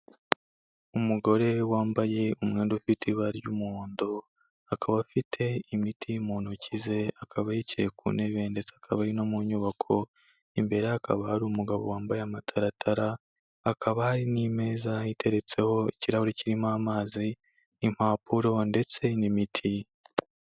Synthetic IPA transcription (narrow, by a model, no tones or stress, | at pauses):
umuɡo̞ɾe̞waːmbaje̞umŋe̞ːndufitʰiβaɾjumːndo | akʰaβafitʰe̞imitʰimoːnocize̞akʰaβajicḛkṵneβe̞ːnde̞t͡seakʰaβaɾinomuɲuβakʰo̞ | imbe̞ɾeakʰa̰βahaɾuːmuɡaβo̞̰waːmbajeamatʰaɾatʰaɾaː | kʰaβahaɾiniːme̞ːzaite̞ɾe̞t͡se̞ho̞iciɾahuɾiciɾimaːmaːziː | m̥haːpʰuɾo̞nde̞t͡se̞nimitʰi